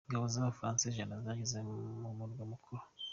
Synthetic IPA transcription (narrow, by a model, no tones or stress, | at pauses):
ŋɡaβozaβafɾaːnseʒanazaɟizemumudɡwamukʰuɾo